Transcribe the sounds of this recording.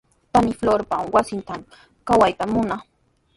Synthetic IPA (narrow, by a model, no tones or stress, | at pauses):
panɪfloɾpamwasɪnt̪am | kawajt̪amʊna